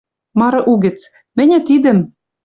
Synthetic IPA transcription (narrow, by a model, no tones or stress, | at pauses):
mɑɾɤ̆ʔuɡɘ̆t͡s | mɘ̆nʲɘ̆t̪id̪ɘ̆m